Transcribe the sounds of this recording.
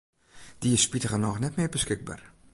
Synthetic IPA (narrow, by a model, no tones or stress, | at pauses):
d̥iɪsspitəɣənɔxnɛtmɪːrbəskɪɡ̚ba̰ːr